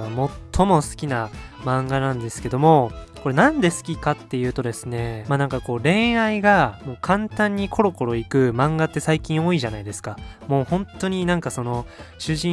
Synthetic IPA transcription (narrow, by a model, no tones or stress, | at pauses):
mo̞tt̪ʰːo̞mo̞sɨ̥kʲinamãŋɡanãnd̪e̞sɨ̥ke̞d̪o̞mo̞ko̞ɾe̞nãnd̪e̞sɨ̥kʲikat̪ːe̞jɯ̟ːt̪o̞d̪e̞sɨne̞manãŋkako̞ːɾẽ̞ɰ̃aiɡamo̞ːkʰãnt̪ãɲ̟ːikʰo̞ɾo̞ko̞ɾo̞ikɯ̟mãŋɡat̪ːe̞saikʲĩɰ̃o̞iʑanaid̪e̞sɨ̥kamo̞ːhõ̞nt̪ːo̞ɲ̟inãŋkaso̞no̞ɕɨʑĩ